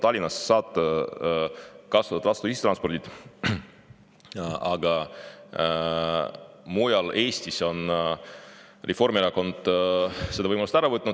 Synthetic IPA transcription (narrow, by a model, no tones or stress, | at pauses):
t̪ɑlʲːinɑse̥sɑːt̪ːˑɑ | kɑsvɑt̪ɑt̪vɑst̪uist̪ɾrɑnspo̞rd̪it̪ | ɑɡɑ | mujɑle̞ːsʲt̪iso̞n | rʔefo̞rmieɾɑko̞nd̪̥sed̪ɑvɤjmɑlust̪æɾɑvɤt̪nu̥